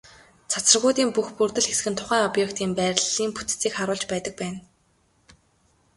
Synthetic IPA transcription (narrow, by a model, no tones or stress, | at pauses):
t͡sʰat͡sə̆rɣʊːt̪iːmpuxpurt̪ɘ̆ɮxesɡɘ̆nt̪ʰʊ̥χæːŋɔpjekt̪iːmpæːɾʲɮiːmpu̥t̪t͡siːkχaɾʊːɮt͡ɕpæːt̪ə̆k̚pæːn